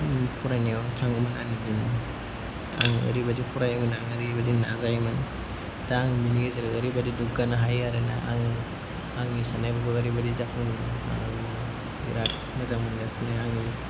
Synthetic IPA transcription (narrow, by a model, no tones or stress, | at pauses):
pʰuɾanijawntʰaŋɯmananidin | a̰ŋə̰ɾibadipʰuɾajmanaŋaɾibadina̰zajman | d̥aŋminiɡazaɾɯəɾibadidukɡanaɦajaɾena̰ʔa̰ŋi | aŋisanajbaɡaɐɾibadizakʰuna̰ | biɾat̚ | mazamuniɡasinaaŋi